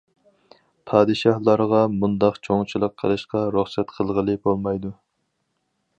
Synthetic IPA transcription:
pʰɑːd̪ɨʃɑhlˠɑɾʁɑmund̪ɑqt͡ʃʰoŋt͡ʃʰilˠəqʰːə̰ɾˠɨʃqɑɾuχsɛt̪qʰəlˠʁəlˠɨbolˠmɑjd̪u

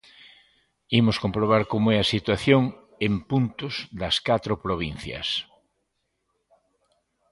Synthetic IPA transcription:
imoskompɾoβ̞aɾkomoɛasit̪waθjoŋ | empunt̪ozdɐskat̪ɾopɾoβ̞in̟θjɐ̰s

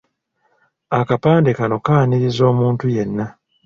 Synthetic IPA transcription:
akapaːndikano̞kaːniɾizo̞ːmuːntuje̞nːa

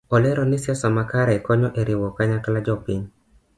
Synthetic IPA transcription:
ɔlɛɾɔnɪsjasɔmakaɾɛkɔɲɔʔeɾɪwɔkaɲaklad͡ʒɔpiɲ

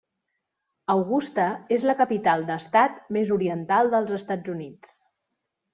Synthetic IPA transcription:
əwɣust̪əezləkəpit̪alˠd̪əst̪at̪mezuɾiənt̪alˠd̪əlˠzəst̪ad͡zunit͡s

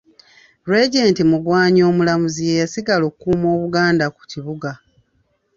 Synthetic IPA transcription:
ɾwe̞ɟe̞ːntimuɡwaːɲo̞ːmulamuzijejasiɡalo̞ːkukuːmo̞ːβuɡaːndaku̥ciβuɡa

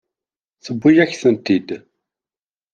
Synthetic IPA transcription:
θəbːʊjæçθənt̪id̪

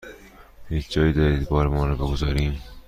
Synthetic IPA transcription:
hiːt͡ʃʰd͡ʒɒːjiːd̪ɒːɾiːd̪bɒːɾemɒːɾɒbe̞ɡozɒːɾiːm

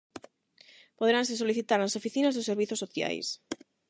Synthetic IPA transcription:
poðɾansesoliθit̪aɾnasofiθinazðoseɾβiθosːoθja̰js

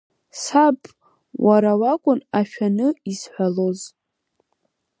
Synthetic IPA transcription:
sapʼ | waɾawakʷʼʊnaʃᶣanɨisħʷaloz

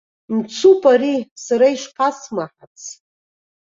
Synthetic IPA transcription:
mt͡sʰupʼaɾisaɾaiʂqʰasmaħat͡sʰ

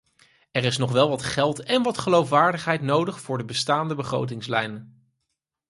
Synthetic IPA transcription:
ɛrɪsnɔχʋɛlˠʋɑtχɛlˠtɛnʋɑtχəlowfʋaːɹdəχɦɛjtnowdəχfʊːɹdəbəstaːndəbəχro̰wt̬ɪŋslɛjn

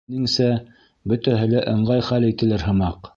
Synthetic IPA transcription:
nɘŋsæ | bɵ̆t̪æɦɘ̆læʔɤ̆ɴɢɑjχælit̪ɘ̆lɘɾɦɤ̆mɑq

